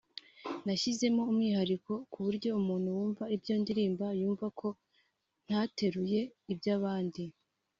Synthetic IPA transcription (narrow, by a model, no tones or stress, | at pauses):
naçize̞mo̞umŋiːɦaɾiko̞kuβuɾɟo̞umuːn̥huwuːɱvaibjo̞ːndiɾiːmbajuːɱvakʰo̞ | n̥hate̞ɾuje̞ibjaːβaːndi